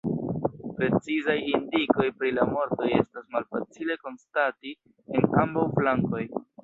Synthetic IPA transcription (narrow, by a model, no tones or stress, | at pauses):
pɾe̞t͡sizajindiko̞jpɾilamo̞ɾto̞je̞̰stasmalfat͡sile̞ko̞nstati | enambawflaŋko̞j